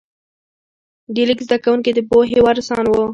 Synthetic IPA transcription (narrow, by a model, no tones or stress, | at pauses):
ɖilikzd̪akawuŋked̪əboɦewaɾsɑnwo